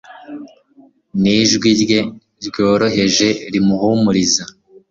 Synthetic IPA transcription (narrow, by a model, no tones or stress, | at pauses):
niʒɡwiɾje̞ | ɾɟo̞ːɾo̞ɦe̞ʒe̞ɾimuhumuɾiza